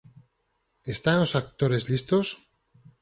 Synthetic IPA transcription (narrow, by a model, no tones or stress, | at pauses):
e̞st̪anlo̞sak̚t̪o̞ɾe̞zlist̪os